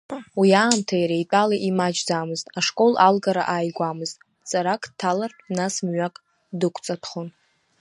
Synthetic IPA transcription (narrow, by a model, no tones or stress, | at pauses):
wiaːmtʰajɾajtʼalaʔimad͡ʒd͡zamɨztʼaʂkʼo̞lalɡaɾa̰ʔaːjɡʷamɨztʼ | t͡sʼaɾakʰʼtʰalarʰ | nasmɥakʼ | dɨkʷʰt͡sʼatʰχon